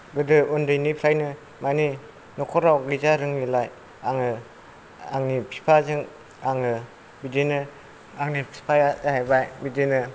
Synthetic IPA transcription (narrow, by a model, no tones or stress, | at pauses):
ɡɯdɯundɯjnipʰɾajnɯ | mani | nɔkʰɔɾawɡɯzaɾɯŋilaj | aŋɯ | aŋnipʰi̥pʰazɯŋ | aŋɯ | bidinɯ | aŋnipʰi̥pʰajadhajbajbidinɯ